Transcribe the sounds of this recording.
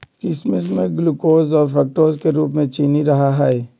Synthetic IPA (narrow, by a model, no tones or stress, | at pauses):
kɪsmɪs̬mẽɡlukoːzɔːɾfɛːk̚ʈoːɾzkeɾuːpmẽt͡ʃiːniɾɐɦaɦɛɛː